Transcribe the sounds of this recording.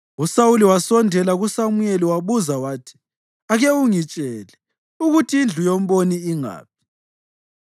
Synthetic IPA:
usawuliwasɔndʱɛlaɣusamujeliwaβuzawaːtʰi̥ | aɣeuŋit͡ʃʼɛlɛ | uɣutʰiind͡ɮʱujom̩βoniːŋa̰ːp̚ʰi̥

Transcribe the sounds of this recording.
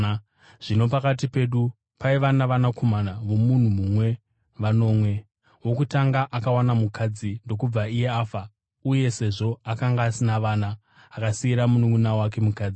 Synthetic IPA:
ʐ̥ino̞pakatipe̞ːɗu | paiʋanaʋanakʰo̞manaʋo̞mun̤umumwe̞ | ʋano̞ːmwe̞ | wo̞kutaŋɡaʔakawanamukʰad͡zindo̞kub͡vaije̞aːfa | uje̞se̞ʐo̞akaŋɡaːsinaʋaːnaː | kasiiɾamunuŋunawak̬e̞mukaːd͡zi

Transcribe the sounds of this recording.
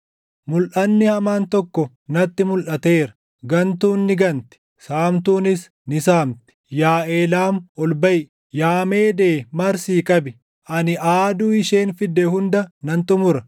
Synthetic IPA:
mʊlʔɐnːɪhɐmaːnt̪ɔkːɔ | nɐt̪ːɪmʊlʔɐt̪e̞ːɾɐ̥ | ɡɐnt̪uːnːɪɡɐnt̪ɪ̥ | saːmt̪uːnɪs | nɪsaːmt̪ɪ̥jaːʔeːlaːmɔlbɐj | jaːmeːd̪eːmɐɾsiːkʼɐbɪ | ʔɐnɪʔaːd̪uːɪʃeːnfɪd̪ːɛhʊnd̪ɐnɐnt̪ʊmʊɾɐ

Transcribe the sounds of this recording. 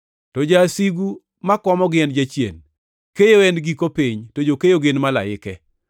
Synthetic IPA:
tod͡ʒasiɡu | makɔmɔɡɪɛnd͡ʒat͡ʃjḛn | kejoɛnɡikopiɲtod͡ʒokejoɡenmala̰ɪkɛ

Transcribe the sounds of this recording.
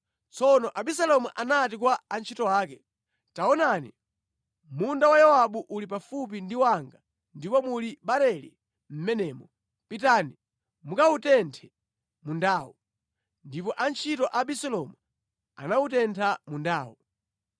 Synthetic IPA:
t͡sɔnɔʔaɓisalɔmuʔanat̬ikwaːnt͡ʃʰitɔaːkɛ | taɔnanḭ | mundawajawaɓuʔulip̬afup̬indiwaŋɡa | ndipɔmuliɓaɾɛlḭ | m̩mɛnɛːmɔ | pitani | mukautɛntʰɛ | mundaːwɔ | ndipɔʔant͡ʃʰitɔʔaɓisɛlɔmu | a̰nautɛntʰamundaːwɔ̰

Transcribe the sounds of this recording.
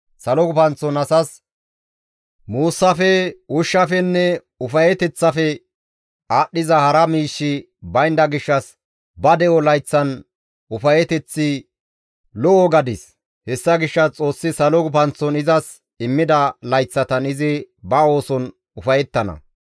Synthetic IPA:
sɐlɔɡʊpɐnt͡sːɔnɐsɐs | muːsːɐfɛʊʃːɐfɛnːɛ | ʊfɐjɛt̪ɛt͡sːɐfɛ | aːɗːɪzɐhɐɾɐmiːʃːɪ | bɐjnd̪ɐɡɪʃːɐs | bɐd̪ɛɔlɐjt͡sːɐn | ʊfɐjɛt̪ɛt͡sːɪ | lɔʔɔɡɐd̪ɪs | hɛsːɐɡɪʃːɐt͡sʼo̞ːsːɪsɐlɔɡʊpɐnt͡sːɔnɪzɐs | ɪmːɪd̪ɐlɐjt͡sːɐt̪ɐnɪzɪ | bɐo̞ːsɔn | ʊfɐjɛt̪ːɐnɐ̰

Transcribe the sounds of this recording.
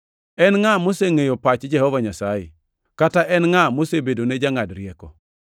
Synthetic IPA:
ɛnŋamoseŋejopat͡ʃd͡ʒɛhɔvaɲasajɛ̰ | kataʔɛnŋamosebedoned͡ʒaŋadɾjɛkɔ

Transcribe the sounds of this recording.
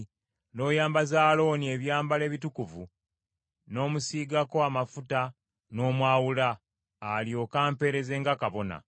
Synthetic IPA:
no̞ːjaːmbazaːlo̞nie̞βjaːmbale̞ːβitukuvu | no̞ːmusiːɡako̞amafuta | no̞ːmwaːwulaː | ljo̞kaːmpe̞ɾe̞ze̞ːŋɡakaβo̞na̰

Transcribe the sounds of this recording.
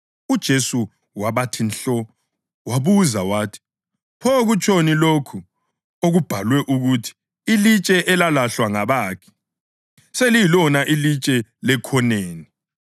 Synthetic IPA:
ud̥ʒ̥ʱesu | waβatʰinɬɔ | waβuzawaːtʰi̥ | pʰɔɣut͡ʃʼonilokʰu | oɣub̥ʱalwɛʔuɣutʰi̥ | ilit͡ʃʼɛʔɛlalaɬwaŋaβaːkʰi̥ | selijilɔnaʔilit͡ʃʼɛlɛkʰɔneːni

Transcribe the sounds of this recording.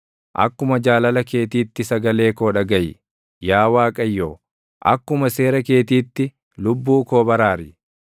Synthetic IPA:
ʔɐ̰kːʊmɐd͡ʒaːlɐlɐke̞ːt̪iːt̪ːɪsɐɡɐle̞ːkoːᶑɐɡɐjɪ | jaːwaːkʼɐjːoː | ʔɐ̰kːʊmɐse̞ːɾɐke̞ːt̪iːt̪ːɪ | lʊbːuːko̞ːbɐɾaːɾɪ

